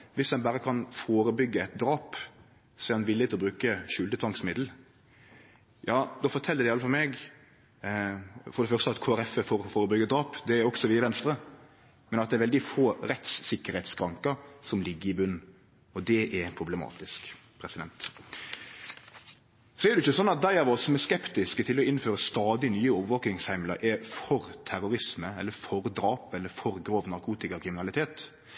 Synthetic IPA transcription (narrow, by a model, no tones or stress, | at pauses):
ʋɪsɛnbæːɾəkʰɑnfoːɾəbʏɡːəɛt̪d̪ɾɑːp | sɛɾɑnʋɪlːɪət̪ʰɪlɔbɾʉːkəʃʉːlt̪ət̪ʰʋɑŋsmɪd̪l̩ | jɑːd̪oːfɔt̪ʰɛlːəd̪ɛɪɑlːəfɑlmɛɡ | fɔɾd̪ɛfœʁst̪əɑt̪kʰoːæɾɛfəfoːɾfoːɾəbʏɡəɛt̪̚d̪ɾɑːpd̪ɛæɾɔksɔʋiːæʋɛnst̪ɾə | mɛnɑt̪̚d̪ɛɾʋɛld̪ɪfoːɾɛt̪sːɪkːəɾhɛt̪skʰɾɑŋkəɾsɔmlɪɡːəɾɪbʉn | ɔd̪ɛʔɛpʰɾʊbləmɑ̰ːt̪ɪskpʰɾɛsɪd̪ɛ̰nt̪ | sɔɛɾd̪ʉɪçəsɔnːɑt̪̚d̪æɪɑʋɔsːɔmæskɛpt̪ɪskət̪ʰɪlɔɪnːføːɾəst̪ɑːd̪ɪnyːəoːʋəʋoːknɪŋshæɪmlə̰ɾʔɛɾfɔɾt̪ʰæɾʊɾɪsməɛlːəfɔɾd̪ɾɑːpɛlːəɾfɔɾɡɾoːʋnɑɾkʰuːt̪ɪkɑkʰɾɪmɪnɑlɪt̪ʰeːt̪